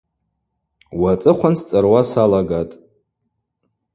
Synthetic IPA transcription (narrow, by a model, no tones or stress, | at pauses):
wat͡sʼɨqʷʰanst͡sʼarwasalaɡatʼ